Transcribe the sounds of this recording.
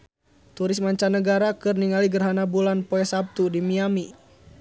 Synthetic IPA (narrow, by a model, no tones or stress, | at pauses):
t̪uɾɪsmaɲt͡ʃanəɡaɾakɨrniŋaliɡərɦanabulanpɔɛsap̚t̪udimiami